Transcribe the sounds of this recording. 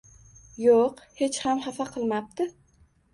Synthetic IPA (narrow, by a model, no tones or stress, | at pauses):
joqhe̞t͡ʃhamhafaqʰɨlˠmap̚t̪ɪ